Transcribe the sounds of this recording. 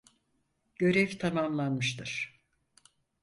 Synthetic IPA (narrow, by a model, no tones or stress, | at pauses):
ɟ̥ø̞ɾɛvt̪ʰamamlˠanmɯʃt̪ɯɾ̥